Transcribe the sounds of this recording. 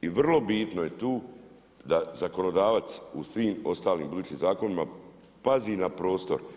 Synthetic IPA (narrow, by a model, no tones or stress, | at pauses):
iʋr̩lˠo̞bit̪nojet̪uː | d̪azako̞no̞d̪aːʋat̪susʋiːmo̞st̪aːlḭːmbud̪uːt͡ʃimzaːko̞nima | paziːnapɾo̞ːst̪o̞̰ɾ